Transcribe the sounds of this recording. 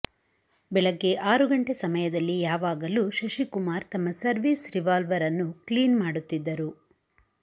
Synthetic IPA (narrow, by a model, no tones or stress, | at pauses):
bɛɭɐɡːe̞ʔaːɾuɡɐɳʈesɐmɐjɐd̪ɐlːijaːʋaːɡɐluʃɐʃikumaːɾt̪ɐmːɐsɐɾʋiːsɾiʋaːlʋɐɾɐnːukliːnmaːɽut̪ːid̪ːɐɾu